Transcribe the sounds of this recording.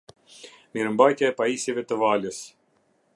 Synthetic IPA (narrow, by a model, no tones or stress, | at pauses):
miɾəmbajt̪jaɛpaisivɛt̪əvaləs